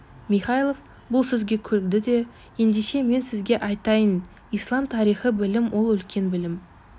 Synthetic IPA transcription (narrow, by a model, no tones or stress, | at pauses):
miχɑjlˠo̞v | bʊlˠsɵzɡʲe̞kʲʰɵlɪk̚d̪ɪd̪e̞ | je̞nd̪eʃe̞me̞nsɪzɡʲe̞ʔɑjt̪ɑjən | ijslˠɑmt̪ʰɑɾijχəbɪlɪmwʔo̞lˠʏlkʲe̞nbɪlɪm